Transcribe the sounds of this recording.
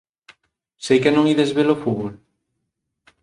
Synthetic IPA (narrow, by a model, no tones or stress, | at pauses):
sejkenõŋiðezβelofuβol